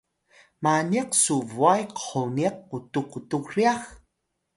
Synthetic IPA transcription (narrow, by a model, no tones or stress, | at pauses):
maniqsuvuajqə̥χoniq̚ːutukutukriax